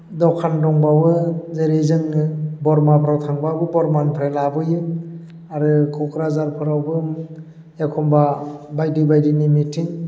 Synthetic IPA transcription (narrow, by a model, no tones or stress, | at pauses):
dɔwkʰandɔŋbawɯzeɾizɯŋnɯbɔɾmapʰɾawtʰaŋbabɯbɔɾmanpʰɾelabɯjɯ | aɾɯkʰɔkʰɾazaɾpʰɯɾawbɯm | akʰɔmbabajdibajdinimitʰiŋ